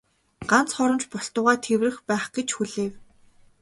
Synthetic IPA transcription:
ɢ̥an̥t͡sχɔɾə̆mt͡ɕpɔɬt̪ʊːʁaːt̪ʰewrɘ̆xpæːχɡ̥et͡ɕxuɮeːw

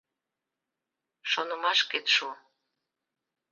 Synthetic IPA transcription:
ʃonə̆mɑʃket̪ʃu

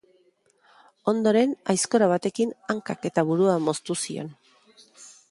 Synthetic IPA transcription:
o̞nd̪o̞ɾe̞najsko̞ɾaβ̞at̪e̞kinaŋkake̞t̪aβuɾuamo̞st̪usio̞̰n

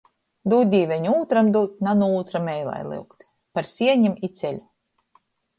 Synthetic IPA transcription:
d̪uːt̪̚ʲd̪ʲiːvʲɛɲuːt̪ɾamd̪uːt̪̚ʲnanuuːt̪ɾamɛjlˠa̰jlˠɨ̰wkt̪ | paɾsʲiɛɲimit̪sʲɛlʲu

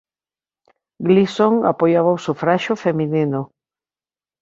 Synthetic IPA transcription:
ɡlisoŋa̰pojaβawsufɾaʃofemininʊ

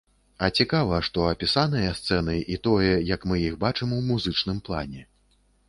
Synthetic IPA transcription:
ɐt͡sʲikavɐʂt̪ɔɐpʲisanɐjɐst̪sɛn̪ɨʔit̪ɔjɐjɐkmɨjixbat͡ʂɨmwmuzɨt͡ʂnɨmplˠa̰nʲɛ

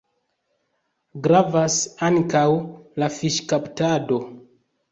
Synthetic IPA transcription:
ɡɾavasaŋkawlafiʃkaptado̞

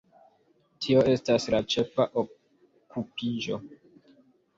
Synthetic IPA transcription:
tʰio̞e̞staslat͡ʃe̞faʔo | kupid͡ʒo̞̰

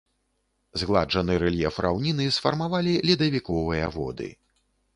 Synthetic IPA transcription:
zɣlˠaʐɐnɨɾɛlʲjɛfrʔa̰wnʲinɨsfɐrmavalʲilʲid̪ɐvʲikɔvɨjɐ̰vɔ̰d̪ɨ̰

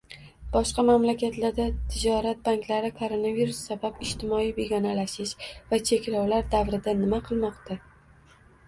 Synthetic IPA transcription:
b̥ɒʃqɑmamlakʲʰat̪laɾd̪at̪ʰɪd͡ʒɒɾat̪̚baŋkʲlaɾɪkʰoɾonaviɾusːabapɪʃt̪ʰɪmɒijbe̞ɡʲɒnalaʃɪʃvat͡ʃʰe̞kʲlɒwlaɾd̪avɾɪd̪anɪmaqʰɨlˠmɒqt̪a

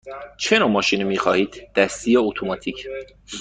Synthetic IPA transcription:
t͡ʃʰenomɒːʃiːnimiːxɒːhiːd̪d̪̥æst̪ijɒot̪ʰomɒːt̪ʰicʰ

